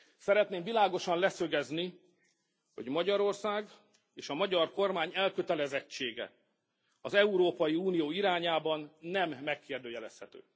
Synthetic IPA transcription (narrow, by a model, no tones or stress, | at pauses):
sɛɾɛt̪neːmvilaːɡo̞ʃɒnlɛsøɡɛzni | ho̞̰ɟmɒɟɒɾo̞rsaːɡ | eːʃɒmɒɟɒrko̞rmaːɲɛlkøt̪ɛlɛzɛt͡ʃːeːɡɛ̰ | ɒzɛuɾoːpɒjiuːnijoːiɾaːɲaːbɒnːɛmːɛkːeːrd̪øːjɛlɛshɛt̪ø̰ː